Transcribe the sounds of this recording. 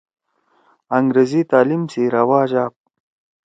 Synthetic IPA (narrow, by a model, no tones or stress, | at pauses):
aŋɡɾezit̪aːlimsiɾawaːd͡ʑaːp̚